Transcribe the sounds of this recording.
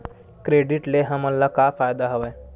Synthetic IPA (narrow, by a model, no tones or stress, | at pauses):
kɾeɖiʈleɦəməlːakafajd̪aɦəʋa